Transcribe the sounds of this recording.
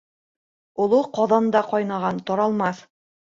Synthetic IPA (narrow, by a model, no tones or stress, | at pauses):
ŏlˠoqɑðɑnd̪ɑqɑjnɑʁɑnt̪ɑɾɑlˠmɑθ